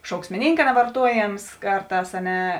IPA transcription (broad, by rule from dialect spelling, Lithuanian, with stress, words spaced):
ʃɐʊksʲmʲɪˈnʲiːŋkɐ nʲɛʋɐrˈtuɔˌjeːms ˈkɐrˌtɑːs ɐ ˈnʲɛ